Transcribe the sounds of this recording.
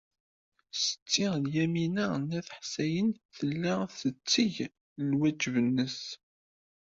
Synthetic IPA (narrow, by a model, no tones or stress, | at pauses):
sə̥t͡sːɪʁljæminænæθħsæjənθəlːaθət͡sːiʝ | lwæd͡ʒvənːəs